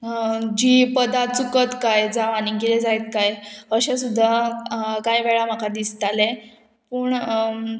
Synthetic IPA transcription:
d͡ʑiːpəd̪at͡sukət̪kajd͡zaʋaniɡeled͡zajt̪̚kajəɕesud̪ʱːakajʋɛɭam̤akad̪ist̪alɛ | puːɳ

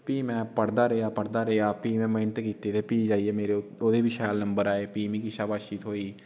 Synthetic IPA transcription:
piːmɛ̃ːpəɽd̪aːɾəjaːpəɽd̪aɾɛaːpiːmɛ̃məːnt̪ekiːt̪et̪ʰepiːd͡ʒaːiemeːɾeod̪ebʱiʃaːlnə̃mbəɾaːepiːmẽkiʃaːbaːʃiːt̪ɦoːiː

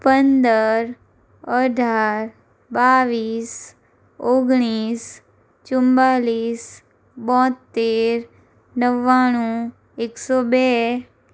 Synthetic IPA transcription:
pənd̪əɾ | əɖʱaːɾ | baːʋiːs | oɡɽ̃iːs | t͡ʃʊ̃mbaːliːs | bɔ̃ːt̪ːeːɾ | nəʋaːɽ̃ũ | eksɔbɛː

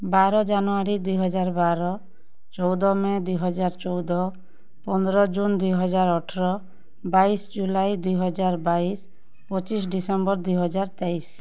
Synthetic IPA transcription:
baɾɔd͡ʒanɔaɾid̪ujɦɔd͡ʒaɾbaɾɔ | t͡ʃɔwd̪ɔmed̪ujɦɔd͡ʒaɾt͡ʃɔwd̪ɔ | pɔnd̪ɾɔd͡ʒund̪ujɦɔd͡ʒaɾɔʈʰɔɾɔ | baisd͡ʒulajd̪ujɦɔd͡ʒaɾbais | pɔt͡ʃisɖisɔmbɔɾd̪ujɦɔd͡ʒaɾt̪ɛis

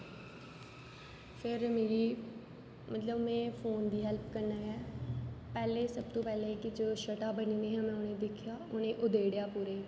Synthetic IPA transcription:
pʰɪɾmeːɾiː | mət̪ləbmɛ̃ːpʰoːnd̪iːɦɛlpkəɾnaːɛːpɛːleːsəb̚t̪õːpɛːleːkɪd͡ʒoːʃəʈaːbənĩːneːɦɛ̃mɛ̃ːʊnẽːd̪ɪkʰjaːʊnẽːʔʊd̪eːɽjaːpuːɾeː

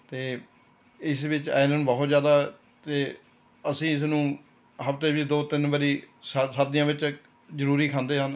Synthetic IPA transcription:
t̪eː | ɪsʋɪt͡ʃa̰ːnnũːbəɦt̪zjaːd̪aː | t̪eː | əsĩːɪsnũː | ɦəpt̪eːʋiːd̪oːt̪ɪnbəɾiːssəɾd̪ɪjãːʋɪt͡ʃ | zəɾuːɾiːkʰãːnd̪eːɦən

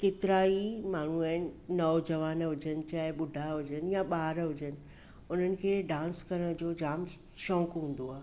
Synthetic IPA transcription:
ket̪ɪɾaːimaːɳ̤uaːɦɪnɪ̆nɐd͡ʑɐʋaːnɦʊd͡ʑənɪ̆t͡ɕaːɦɪɓʊɖʱaɦʊd͡ʑənɪjaɓaːɾɦʊd͡ʑənɪ̆ | ʊn̤ənɪ̆kʰeːɖãːnskɐɾəɽ̃d͡ʑoːd͡ʑaːm | ʃɔ̃ːŋkɦũːn̆d̪oaːɦe

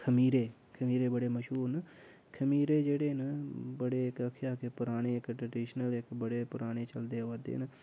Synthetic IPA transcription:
kʰəmiːɾeː | kʰəmiːɾeːbəɽeːməʃuːɾn | kʰəmiːɾeːd͡ʒeːɽeːnəbəɽeːɪkəkʰjaːkeːpʊɾaːñeːɪkʈɾəɖiːʃnəlɪkbəɽeːpʊɾaːɽ̃eːt͡ʃəld̪eːəʋəd̪ḛːnə

